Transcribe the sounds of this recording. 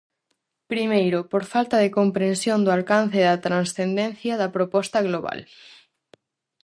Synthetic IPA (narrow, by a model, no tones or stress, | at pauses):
pɾimejɾʊpoɾfalt̪ɐðekompɾẽnsjond̪ʊalkan̟θeðɐt̪ɾansθend̪ẽn̟θjɐðɐpɾopɔst̪ɐɣloβa̰l